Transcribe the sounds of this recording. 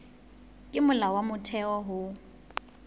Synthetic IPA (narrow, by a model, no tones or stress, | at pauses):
kʼɪmʊlawamʊtʰɛɔɦʊ